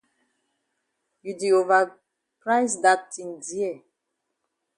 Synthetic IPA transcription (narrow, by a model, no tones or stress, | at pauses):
judeova | pɹaɪsdatĩndiɛ